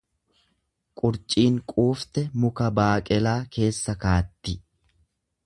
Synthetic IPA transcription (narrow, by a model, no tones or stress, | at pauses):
kʼʊɾt͡ʃʼiːŋkʼuːft̪ɛmʊkɐbaːkʼɛlaːkʰe̞ːsːɐkaːt̪ːɪ